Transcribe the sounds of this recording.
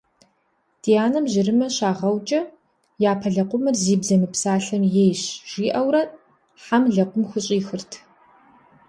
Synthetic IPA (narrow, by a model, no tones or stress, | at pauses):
d̥ijaːnɐmʑɪɾɨmɐɕaːʁɐwt͡ʃʼɐ | jaːpʰɐɮɐqʷʼʊmɐrziːbzɐmɨpsaːɬɐmjejɕʒ̥iːʔɐwrɐt | ħamɮɐqʷʊmxɨɕʼiːxɨrtʰ